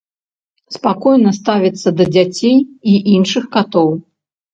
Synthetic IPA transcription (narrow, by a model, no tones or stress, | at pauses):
spakɔjnɐst̪avʲit̪sːɐd̪ɐd͡zʲat͡sʲejiʔinʂɨxkat̪ɔw